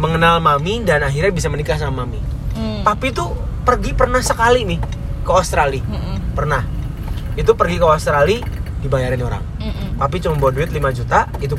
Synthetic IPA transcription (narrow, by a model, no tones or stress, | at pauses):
məŋənalmamidanaɦirɲabisamənikas̬aamamit̪apit̪upərɡipərnahsəkalimɪhkəost̪ɾalipərnah | it̪̬upərɡikəost̪ɾalidibajaɾɪnoɾa̰ŋ | t̪ap̬it͡ʃomboduɪt̪limad͡ʒut̪ait̪̬u